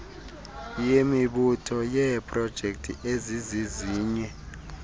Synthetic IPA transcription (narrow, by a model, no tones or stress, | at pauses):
jemiɓutʰɔjɛpʼrɔd̥ʒ̥ʱek̚tʰʼḭʔeziziziːɲɛ